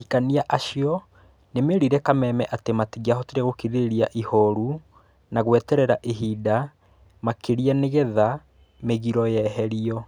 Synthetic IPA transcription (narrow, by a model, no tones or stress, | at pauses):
ikaniaʔaʃiɔ | nemeɾiɾɛkamɛmɛʔatematiɣiaɦɔteɾeɣokiɾeɾiaʔihɔɾu | naɣwɛtɛɾɛɾaʔeɦiːda | makeɾianeɣɛða | meɣiɾɔjɛɦɛɾiɔ